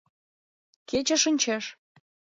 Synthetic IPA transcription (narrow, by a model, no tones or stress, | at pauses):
ket͡ɕə̆ʃənʲt͡ɕeʃ